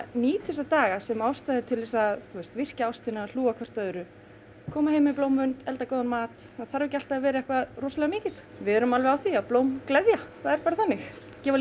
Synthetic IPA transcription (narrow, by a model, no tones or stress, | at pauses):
niːt̪ʰɛst̪at̪aːɣasɛmawst̪aðɪt̪ʰɪlvɛsaθust̪vɪr̥caawst̪ɪnal̥uːɣakʰvɛr̥t̪œːðʏɾʏ | kʰɔːmahejmɪploːwmːʏnt̪ɛlt̪akoːwðanmaːt̪ | aðθaɾvɪcal̥t̪aːvɛːɾɪɛhkvaðrɔːsalɛɣamɪːcɪθ | vɪðɛɾʏmalvɛɣawθiaðplowmklɛðjakʰvaːðɛɾpaːɾaθanːɪx | cɛːva